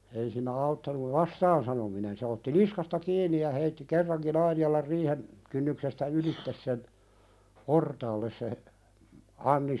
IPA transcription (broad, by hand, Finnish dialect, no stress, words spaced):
ei siːnˑæ ɑutːɑnuʋ ʋɑstɑːn sɑnominen se otːi niskɑstɑ kiːnˑi jɑ heitːi kerːɑŋkin ɑinijɑlɑr riːhen kynːyksestæ ylitːes sen portɑːlːes se ɑnːi